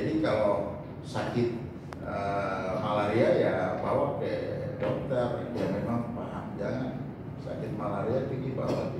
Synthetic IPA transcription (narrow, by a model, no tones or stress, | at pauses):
d͡ʒadikalo | sakɪt̪̚ | əmalaɾiajabawak̚dɛdɔk̚t̪arjamemaŋpaɦaŋd͡ʒaŋan | sa̰kɪt̪̚malaɾiap̪iɡiba̰wa̰